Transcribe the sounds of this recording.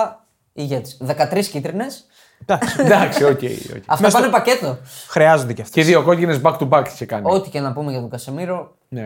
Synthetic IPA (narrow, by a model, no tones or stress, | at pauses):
iʝet̪i̥sðe̞kɐt̪ɾiscit̪ɾine̞s | d̪ɐsd̪ɐksiocḛio̰eɐftmopɐnepɐce̞t̪o̞xɾiɐzond̪eceɐft̪eðioko̞cine̞zbɐkt̪ubɐkt͡ʃekɐnio̞t̪i̥cenɐpumeʝɐt̪oɡɐsemiɾo̞ | ne